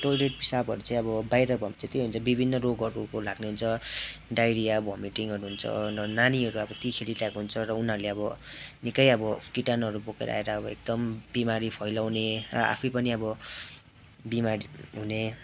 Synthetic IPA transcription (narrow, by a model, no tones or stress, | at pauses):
ʈojleʈbisabʱʌɾut͡saĩʌbʌbajɾʌbʱʌmit͡sʰʌt̪eɦunt͡sʰʌbibʱinːʌroɡʌɾukolaɡneɦunt͡sʰʌɖajɾiabʱʌmiʈiŋɦʌɾuɦunt͡sʰʌ̰rʌnaniʌɾuʌbʌt̪ikʰeliʈakoɦunt͡sʰʌɾʌunɦʌɾuleʌbʌnikʌjʌbʌkiʈanɦʌɾubokḛɾʌ̰a̰eɾaʌbʌḛk̚d̪ʌmbimaɾipʰʌjlawneɾʌ̰a̰pʰupʌniʌbʌ | bimaɾiɦune